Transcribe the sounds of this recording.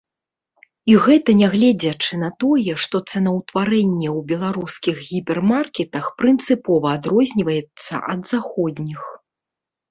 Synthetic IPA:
iɣɛt̪ɐnʲɛɣlʲɛd͡zʲɐt͡ʂɨn̪ɐt̪ɔjɛʂt̪ɔt̪sɛnɐwt̪vaɾɛnʲːɛwbʲɛlˠaɾuskʲiɣɣʲipʲɛrmarkʲɛt̪ɐxpɾɨnt̪sɨpɔvɐːd̪ɾɔzʲnʲivɐjɛt̪sːɐ̰ʔɐd̪zaxɔd̪ʲnʲix

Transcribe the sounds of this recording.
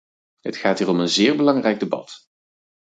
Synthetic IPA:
ɦətχaːtɦiːrɔmənzɪːɹbəlɑŋrɛjɡ̚debɑ̰t

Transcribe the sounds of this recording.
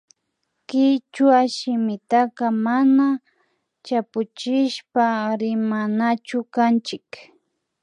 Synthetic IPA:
kɪt͡ʃwaʃɪmɪt̪akamana | t͡ʃapʊt͡ʃɪʃpaɾɪmanat͡ʃʊkant͡ʃɪk

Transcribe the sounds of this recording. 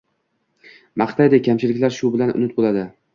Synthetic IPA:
maχt̪ajd̪ekʲʰamt͡ʃʰɪlɪkʲlaɾʃʊbɪlanʊ̰nɪt̪̚bolad̪ɪ

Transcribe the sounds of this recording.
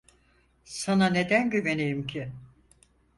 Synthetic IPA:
sanane̞d̪ænɟøvenejimcʰɪ

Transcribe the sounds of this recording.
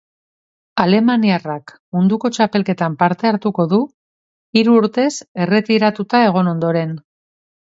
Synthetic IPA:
ale̞maniarak | mund̪uko̞t͡ʃape̞lke̞t̪ampaɾt̪e̞aɾt̪uko̞ðu | iɾuːɾt̪e̞se̞re̞t̪iɾat̪ut̪ae̞ɣ̞o̞no̞nd̪o̞ɾe̞n

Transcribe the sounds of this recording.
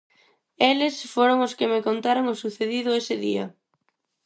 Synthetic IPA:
elɪsfoɾoŋʊskɪmɪkont̪aɾoŋʊsuθeðiðʊesɪðḭɐ̰

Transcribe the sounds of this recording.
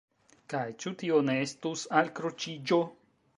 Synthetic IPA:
kajt͡ʃutio̞ne̞estusalkɾo̞t͡ʃid͡ʒo̞

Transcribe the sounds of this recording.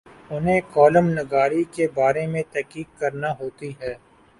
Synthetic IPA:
ʊnɦẽkɔːləmnɐɡaːɾikebaːɾemẽt̪ɛɦkiːkːɐɾnaɦoːt̪iɦɛː

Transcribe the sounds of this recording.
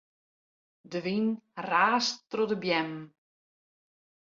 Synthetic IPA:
dəʋinraːsrɔdəbjɛm

